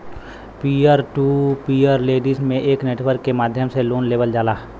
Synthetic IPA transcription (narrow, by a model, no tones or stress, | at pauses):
piəɾʈuːpiːəɾleːɖismẽʔeːkneːʈwəɾkːemaːd̪ʱjəmseloːnleːʋəld͡ʒaːlaː